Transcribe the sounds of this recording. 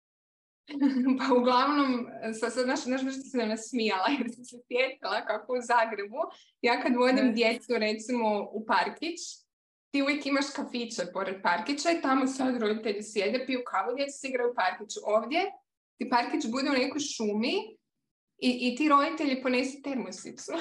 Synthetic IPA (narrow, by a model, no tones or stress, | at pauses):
pauɡlˠaʋno̞msad̪sad̪naʃznaʃ̬br̩ʃt̪isenanasmijalˠajeɾsisesjeːt̪ilˠakakouzaːɡɾe̞bu | jaːkad̪ʋo̞d̪imd̪je̞t̪suɾet̪simo̞upaɾkit͡ʃ | t̪iːuʋjekimaʃkafit͡ʃapo̞ɾed̪̚paɾkit͡ɕait̪amosad̪ɾo̞d̪it̪eʎisjed̪epiukʰaʋod̪je̞t̪sḁsiɡɾajupaɾkit͡ʃuʔo̞ːʋd̪je̞ | t̪ipaɾkit͡ʃbud̪eune̞ko̞jʃumi | iʔit̪iɾo̞d̪it̪eʎipo̞ne̞su̥t̪eɾmusḭt̪su